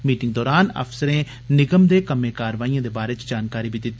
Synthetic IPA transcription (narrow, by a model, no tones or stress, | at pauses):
miːʈɪ̃ŋɡ̚d̪ɔːɾaːnə̰fsəɾẽː | nɪɡəmd̪eːkəmẽːkaːɾʋaːijãːd̪eːbaːɾet͡ʃd͡ʒaːnkaːɾiːbʱid̪ɪt̪ː